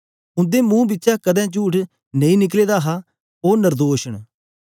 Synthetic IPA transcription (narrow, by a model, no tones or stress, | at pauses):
ʊ̃nd̪eːmũːbɪtːʃaːkəd̪ɛ̃ːt͡ʃuːʈʰ | nɐ̃ĩːnɪk̬leːd̪aːɦaː | oːnəɾd̪oːʃəɽ̃